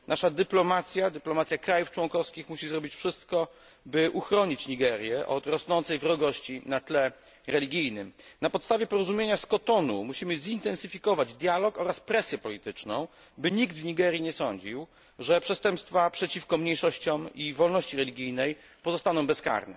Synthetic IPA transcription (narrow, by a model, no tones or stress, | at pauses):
naʂad̪ɘplɔmat̪sʲjad̪ɘplɔmat̪sʲjakɾajuft͡ʂwɔŋkɔfskʲixmuɕizɾɔbʲit͡ɕfʂɘst̪kɔ | bɘʔuxɾɔɲit͡ɕɲiɡɛɾʲjɛʔɔ̰t̪ɾɔsnɔnt̪sɛjvɾɔɡɔɕt͡ɕinat̪lɛ | ɾɛlʲiɡʲijnɘmnapɔt̪st̪avʲjɛpɔɾɔzumʲjeɲaskɔt̪ɔnumuɕimɘzint̪ɛnsɘfʲikɔvad͡ʑd̪ʲjalɔkɔɾaspɾɛsʲjɛpɔlʲit̪ɘt͡ʂnɔ̰̃w̃ | bɘɲiɡd̪vɲiɡɛɾʲjiɲɛsɔɲd͡ʑiw | ʐɛpʂɛst̪ɛmpst̪fapʂɛt͡ɕifkɔmɲejʂɔɕt͡ɕɔmivɔlnɔɕt͡ɕiɾɛlʲiɡʲijnɛj | pɔzɔst̪anɔ̃w̃bɛska̰ɾnɛ̰